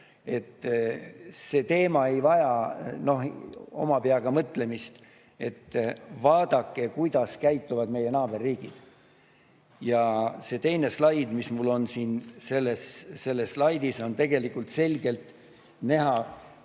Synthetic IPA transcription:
e̞t̪ː | se̞ːt̪e̞ːmɑe̞jvɑjɑno̞ho̞̰mɑpeɑɡ̥ɑmɤt̪le̞mist̪ | e̞t̪ːvɑːd̪̥ɑkːe̞kujd̪̥ɑskæjt̪ːuvɑd̪̥me̞je̞nɑːb̥e̞rːiːɡ̥id̪̥ | jɑse̞t̪e̞jne̞slɑjd̪mismulːo̞nsiːnse̞lːesse̞lːeslɑjd̪iso̞nt̪e̞ɡ̥e̞likult̪se̞lɡe̞lt̪ | næɦɑ

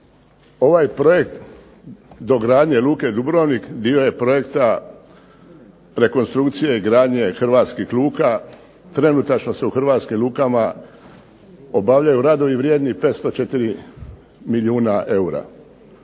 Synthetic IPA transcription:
o̞ʋajpɾo̞jekt̪ | d̪oɡɾaːd̪ɲelˠuːke̞d̪ubɾoʋnikd̪io̞je̞pɾo̞je̞kt̪a | ɾe̞konst̪ɾukt̪sijeiɡɾaːd̪ɲe̞xrɾʋaːt̪skixlˠuːka | t̪ɾe̞nut̪at͡ʃno̞se̞uxr̩ʋaːt̪skimluːkama | o̞baʋʎajuɾad̪o̞ʋiʋɾjed̪nipet̪st̪o̞t͡ʃet̪iɾi | miʎuːnaʔe̞uɾa̰

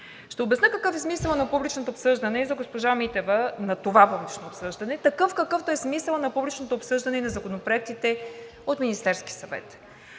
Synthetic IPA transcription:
ʃt̪ɛobɛsnəkɐkɤfɛsmisəlˠnɐpublit͡ʃnot̪oːpsɤʒd̪ɐnɛizɐɡospoʒamit̪ɛvənɐt̪ovapublʲit͡ʃnoːpsɤʒd̪ɐnɛt̪ɐkɤfkɐkɤft̪oɛsmisəlˠnɐpublit͡ʃnot̪oːpsɤʒd̪ɐnɛinɐzɐkonopɾoɛk̚t̪it̪ɛ | ot̪minist̪ɛɾski̥sɐvɛ̰t̪

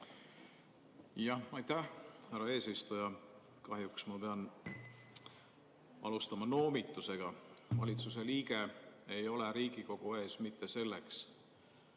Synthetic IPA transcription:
jɑhɑjt̪æhhærɑe̞ːsist̪ujɑ | kɑɦjuksmɑpe̞ɑn | ɑ̰lust̪ɑmɑno̞ːmit̪ːˑuse̞ɡ̥ɑvɑlʲit̪sus̬e̞liːɡe̞ejo̞le̞ɾiːɡ̥iko̞ɡ̥uesmit̪ːe̞se̞lːeks

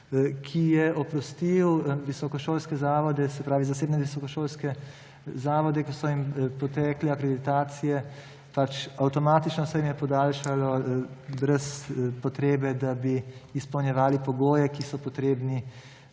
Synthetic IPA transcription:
kʰijɛʔɔpɾɔst̪iwʋisɔkɔʃoːlskɛzaːʋɔd̪ɛsɛpɾaːʋizaseːbnɛʋisɔkɔʃoːlskɛ | zaːʋɔd̪ɛkɔsɔimpɔt̪ɛːkliakɾɛd̪it̪aːt̪sijɛ | pat͡ʃawt̪ɔmaːt̪it͡ʃnɔsɛjimjɛpɔd̪aːlʃalɔ | bɾɛspɔt̪ɾeːbɛd̪abiːspɔwnjɛʋaːlipɔɡoːjɛkisɔpɔt̪ɾeːbni

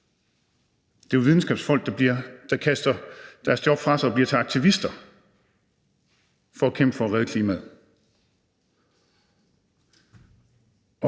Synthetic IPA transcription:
d̥e̝æʋiðˠn̩sɡ̥ɛ̰ːb̥sfɒ̽l̰ɡ̥d̥d̥ɑ̈kʰæsd̥ɐd̥æɐsjɒb̥fʁɑ̈sɑɒb̥liɐt͡sʰe̝lɑ̈ɡ̥̚t͡sʰiʋisd̥ɐ | fɒ̽ækʰem̰b̥fɒ̽ːʁɛðˠkʰliːmæðˠ

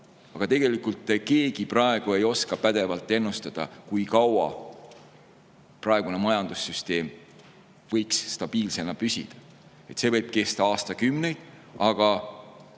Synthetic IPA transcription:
ɑɡ̥ɑt̪e̞ɡ̥e̞likˑult̪ːˑke̞ːɡ̥iprɑe̞ɡ̥ue̞jo̞skɑpæd̪̥e̞vɑlt̪ˑːe̞nːust̪ɑd̪̥ɑ̰kujkɑwɑ̰ | prɑe̞ɡ̥une̞mɑjɑnd̪̥usːyst̪e̞ːm | vɤjkst̪ɑb̥iːlse̞nɑpysʲḭd̪̥ɑ | e̞t̪se̞vɤjb̥̚ke̞st̪ɑɑːst̪ɑkymne̞jd̪̥ɑɡ̥ɑ

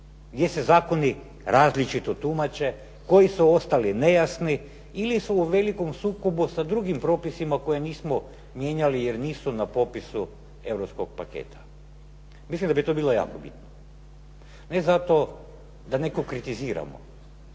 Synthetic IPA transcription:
ɡd̪ʲje̞sezaːko̞ni | ɾʔaːzlit͡ʃit̪ot̪umat͡ʃe̞ | ko̞jisuo̞st̪aline̞jasni | ilisuːʋe̞liko̞msuːkobusad̪ɾuɡimpɾo̞ːpisimako̞jeniːsmo | mje̞ːɲalije̞ɾniːsunapo̞pisu | e̞vɾopskoɡ̚pakḛːt̪ʰḁ | mislimd̪abit̪obiːlˠo̞ja̰ːkobit̪no | ne̞zat̪o̞ | d̪ane̞kokɾit̪iziːɾa̰mo̰

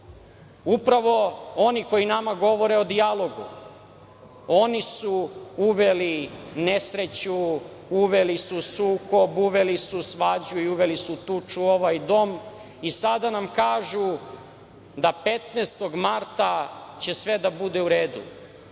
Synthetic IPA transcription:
upɾaʋo̞o̞niko̞inamaɡo̞ʋo̞ɾeod̪ialo̞ɡṵ | o̞nisuuʋeline̞sɾe̞t͡ɕuuʋelisusuːko̞buʋe̞lisusʋad͡ʑuiuʋe̞lisut̪ut͡ʃuo̞ʋajd̪o̞m | isad̪anamkaːʒu | d̪ape̞t̪neːst̪o̞ɡmaɾt̪at͡ɕe̞sʋe̞d̪abud̪e̞uɾeːd̪ṵ

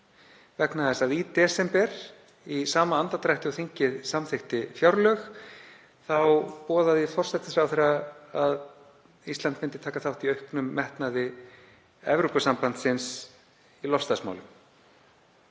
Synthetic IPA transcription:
vɛknaðɛst̪aðit̪ɛːsɛmpɛɾ̥ | isaːmaant̪at̪ɾaht̪ɪɔθiɲcɪðsamθɪhxt̪ɪfjawɾlœx | θawpɔːðaðɪfɔr̥sɛt̪ɪ̥fɾawθɛɾaað | ist̪ant̪fɪnt̪ɪt̪ʰaːkaθawht̪iœɥhknʏmːɛht̪naðɪ | ɛ̰vɾupasampant̪sɪns | ilɔfst̪asma̰wlʏm

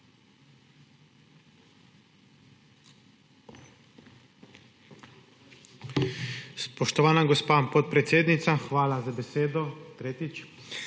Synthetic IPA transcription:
spɔʃt̪ɔʋaːnaɡɔspaːpɔt̪̚pɾɛt̪seːd̪nit̪saxʋaːlazabɛseːd̪ɔt̪ɾeːt̪it͡ʃ

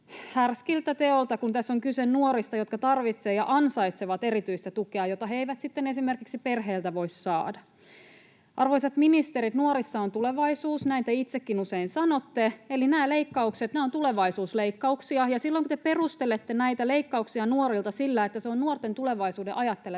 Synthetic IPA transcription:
hærskilt̪æt̪eolt̪ɑkunt̪æsːoŋkysennuoɾist̪ɑjot̪kɑt̪ɑrʋit̪seːjɑ̰ʔɑnsɑjt̪seʋɑt̪e̞ɾit̪yist̪æt̪ukeɑjo̞t̪ɑɦeiʋæt̪sit̪ːenesime̞rkiksipe̞rɦeːlt̪æʋo̞issɑ̰ːdɑ | ʔɑrʋoiset̪minist̪eɾit̪nuoɾisːɑont̪ule̞ʋɑisuːsnæint̪æit̪sekːinuseinsɑno̞t̪ːeelinæːle̞ikːɑukset̪næːont̪ule̞ʋɑisuːsleikːɑuksiɑjɑsilːoiŋkut̪epe̞rust̪elet̪ːenæjt̪æle̞ikːɑuksiɑnuo̞ɾilt̪ɑsilːæet̪ːæseonnuort̪ːent̪ule̞ʋɑisuːdeʔɑjɑt̪ːe̞le

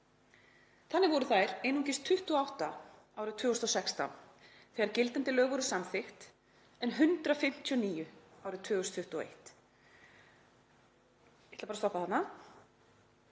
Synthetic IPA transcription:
θanːɪvɔɾʏθajɾ̥ejnuŋcɪst̪ʰʏht̪uɔawht̪a | awɾʏt̪ʰʏːɔst̪ɔsɛkst̪a̰n | θɛːɣaɾcɪlt̪ant̪ɪlœːɣvɔɾʏsamθɪxt̪ | ɛnɦʏnt̪ɾafɪm̥t̪ʰiɔniːjʏawɾʏt̪ʰːʏːɣɔst̪ʰːʏht̪uɔḛjht̪ | ɪt̪lapaɾast̪ɔpaθat̪na

